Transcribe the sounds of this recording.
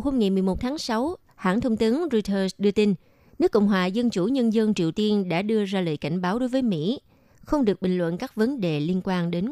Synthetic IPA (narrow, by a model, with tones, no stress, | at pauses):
who˧mŋa˨˩jmɨ˨˩əjmo˨˩t̚t̪ʰaː˨˦ŋsa˨˦w | ha̰ː˧˨ŋt̪ʰə˧wŋ͡mt̪ɨ˨˦ənzo˧jt̪ʰəː˧sɗɨ˧ət̪i˧n | nɨ˦˥əkːə̰˧˨wŋ͡mɦwaː˨˩zə˧nt͡ɕu˧˩ɲə˧nzə˧nt͡ɕi˨˩əwt̪i˧ənɗa̰ː˧˥ɗɨ˧əzaː˧lə̰ː˨˩jka˧˩jŋ̟ɓaː˨˦wɗo˨˦jvəː˨˦jmḭ˧˥ | xə˧wŋ͡mɗɨ˨˩ək̚ɓï˨˩ŋ̟lwə̰˧˨nkaː˦˥k̚və˨˦nɗe˨˩li˧ənkwaː˧nɗe˨˦n